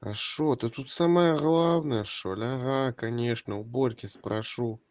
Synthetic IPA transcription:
ɐ̰ʂɔt̪ɨt̪ut̪saməjɐɣlˠawnəjɐʂolʲaɣakanʲɛʂnɐwbɔlʲkʲɪspɾʔaʂu

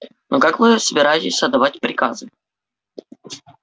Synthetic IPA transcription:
nokakvɨsəbʲɪɾajɪtʲɪsʲəɐd̪ɐvatʲpɾʲɪkazɨ

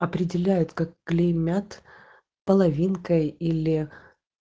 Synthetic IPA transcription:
ɐpɾʲɪdʲɪlʲæjʊt̪kak̚ːlʲɪmʲat̪ | pəlˠɐvʲinkəjilʲɪ

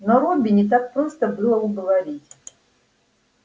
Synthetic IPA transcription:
noɾobʲɪnʲɪt̪̬ak̚pɾost̪əbɨlˠəʊɡəvɐɾʲitʲ

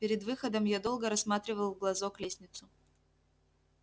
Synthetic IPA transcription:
pʲɪɾʲɪd̪vɨxəd̪əmjad̪o̞lˠɡəɾɐsmat̪ɾʲɪvəlˠvɡlˠɐzoklʲesʲnʲɪt̪sʊ

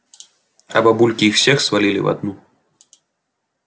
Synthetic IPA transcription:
ɐ̰bɐbulʲkʲiwsʲɛxsvalʲilʲḭva̰d̪nu

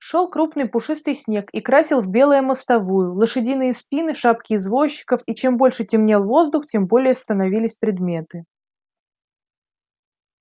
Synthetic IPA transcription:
ʂo̞lˠkɾupnɨjpʊʂɨst̪ɨjsʲnʲe̞kikɾasʲɪlˠvbʲe̞lˠəjəməst̪ɐvujʊlˠəʂɨdʲinɨjəspʲinɨʂap̚kʲɪːzvo̞ɕːɪ̥kəfit͡ɕe̞mbo̞lʲʂɨtʲɪmnʲelˠvo̞zd̪ʊxtʲe̞mbo̞lʲɪjəst̪ənɐvʲilʲɪsʲpɾʲɪd̪mʲe̞t̪ɨ

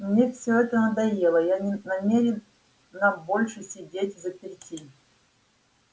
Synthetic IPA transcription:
mnʲefsʲɵɛt̪ənəd̪ɐjelˠəjanʲɪnɐmʲeɾʲɪnː | ɐbo̞lʲʂɨsʲɪdʲetʲvzəpʲɾʲɪtʲi

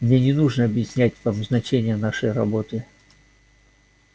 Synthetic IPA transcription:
mnʲenʲɪnuʐnəɐbjɪsʲnʲætʲvamznɐt͡ɕenʲɪjənaʂəjrɐbo̞t̪ɨ

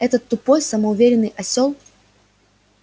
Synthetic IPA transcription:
ɛt̪ət̪ːʊpojsəməʊvʲeɾʲɪnːɨjʔɐsʲolˠ

